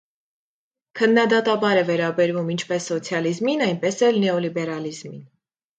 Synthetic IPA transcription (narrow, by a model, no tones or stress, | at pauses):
kʰənːɑd̪ɑt̪ɑbɑɾɛvɛɾɑbɛɾvumint͡ʃʰpɛsːɔt͡sʰjɑlizminɑjnpɛsɛlnɛɔlibɛɾɑlizmḭn